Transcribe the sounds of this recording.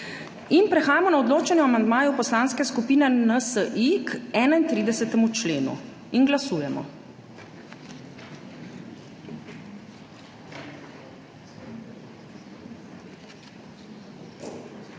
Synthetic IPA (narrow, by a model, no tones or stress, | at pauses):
inpɾɛxaːjamɔnaɔd̪loːt͡ʃɛnjuamand̪maːjupɔslaːnskɛskupiːnɛnəsəʔikɛːnaint̪ɾiːd̪ɛsɛt̪ɛmut͡ʃleːnṵ | inɡlasuːjɛmɔ̰